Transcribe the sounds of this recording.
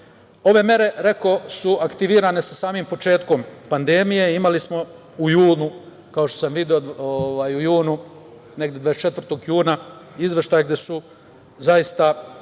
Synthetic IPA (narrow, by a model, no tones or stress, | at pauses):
o̞ʋe̞me̞ɾe̞ɾe̞ko̞suakt̪iʋiːɾaːne̞sasaːmimpo̞t͡ʃe̞ːt̪ko̞mpand̪e̞mije̞imalismo̞ | ujuːnu | kao̞ʃt̪osamʋid̪iod̪oʋaːjujuːnu | ne̞ɡd̪jed̪aet͡ʃe̞t̪vr̩t̪o̞ɡjuːnaizʋe̞ʃt̪aːjaɡd̪e̞su | zajist̪a